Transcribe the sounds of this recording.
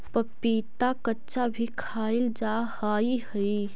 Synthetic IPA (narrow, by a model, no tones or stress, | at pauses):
pəpiːt̪akətːʃabʱikʰaild͡ʒahaihəi